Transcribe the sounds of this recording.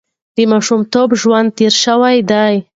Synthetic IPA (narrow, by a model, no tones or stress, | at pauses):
d̪̥əmɑʃumt̪obʒwand̪̚t̪eɾʃəwajd̪aj